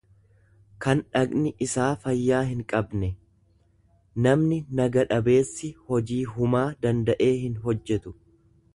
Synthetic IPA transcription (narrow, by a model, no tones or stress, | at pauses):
kɐnᶑɐknɪʔɪsaːfɐjːaːɦɪŋkʼɐbnɛ | nɐmnɪnɐɡɐᶑɐbe̞ːsːɪhɔd͡ʒiːɦʊmaːd̪ɐnd̪ɐʔe̞ːhɪnɦɔd͡ʒːɛt̪ʊ̥